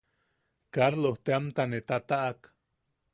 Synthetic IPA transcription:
kaɾloht̪eamt̪anet̪at̪aʔak

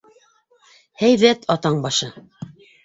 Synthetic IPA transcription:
hæjðæt̪ʰɑt̪ɑɴbɑʃɤ

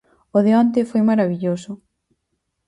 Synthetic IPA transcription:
ʊðeɔnt̪̬ɪfojmaɾaβiʎosʊ

